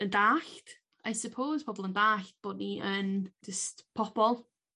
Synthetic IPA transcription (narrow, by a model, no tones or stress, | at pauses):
əndaːɬt | ajsəpʰoːz̥pʰɔbɔlˠə̃ndaːɬt̚b̥ɔːdniʔənd͡ʒəstpʰɔb̥ɔlˠ